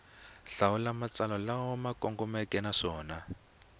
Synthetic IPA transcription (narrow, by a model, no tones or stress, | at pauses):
ɬawulamat͡salɔlawɔmakɔŋɡɔmɛkʼɛnaʂɔːna